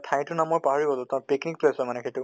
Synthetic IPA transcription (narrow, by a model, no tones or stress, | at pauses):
tʰaj̃tʊnamojpaɦɔɹibɔlɔtãpiknik̚plesɔmanɛxejtʊ